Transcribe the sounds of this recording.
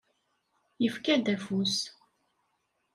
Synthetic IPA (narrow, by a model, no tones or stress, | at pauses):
jəfkæd̪æfus